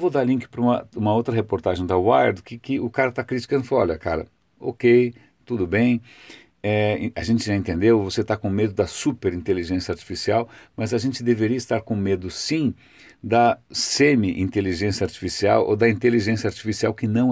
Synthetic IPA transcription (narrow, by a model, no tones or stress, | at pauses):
vowd̪aɾlĩŋkɪ̥pɾɐũmɐ̰ũmɐowt̪ɾɐɦepoɾt̪aʒẽj̃d̪ɐwajɾd̪kɪkɪʊkaɾɐt̪akɾit͡ʃi̥kɐ̃nd̪ʊfaɔ̰ʎʲɐka̰ɾɐ̰ | okej | t̪ud̪ʊbẽj̃ | ɛ̃ɐʒẽnt͡ʃɪʒaẽnt̪ẽnd̪ewvoset̪akõmed̪ʊd̪ɐsupeɾĩnt̪eliʒẽsjɐaɾt͡ʃi̥fisiawmɐzɐʒẽnt͡ʃɪd̪eveɾiɐist̪aɾkõmed̪ʊsĩ | d̪ɐsẽmiʔḭ̃nt̪eliʒẽsjɐaɾt͡ʃi̥fisia̰wo̰d̪ɐĩnt̪eliʒẽsjɐaɾt͡ʃifisiawkɪnɐ̃w̃